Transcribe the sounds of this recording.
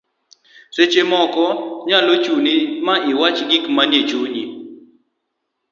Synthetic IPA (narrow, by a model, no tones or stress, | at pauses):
set͡ʃemɔkɔɲalot͡ʃunimaɪwat͡ʃɡikmanjet͡ʃuɲi